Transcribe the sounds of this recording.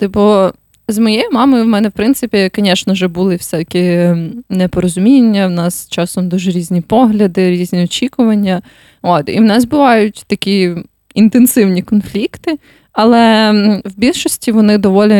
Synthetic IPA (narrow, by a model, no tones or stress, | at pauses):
t̪ɪbɔ | zmɔjejimɑmɔjʊwmɛnɛwpɾɪnsɪpʲikɔnʲɛʃnɔʒɛbulˠɪwsʲɛt̪ɐkʲinɛpɔɾɔzʊmʲinʲːɐwnɑst͡ʃɑsɔmd̪uʒɛɾʲizʲnʲipɔɦlʲɐd̪ɪɾʲizʲnʲiɔt͡ʃʲikʊʋɐnʲːɐ | ot̪ḭwnɛzbʊʋɑjʊtʲt̪ɐkʲi | int̪ensɪwnʲikɔnflʲikt̪ɪ | ɐlˠɛwbʲilʲʃɔsʲtʲiʋɔnɪd̪ɔʋɔlʲɪ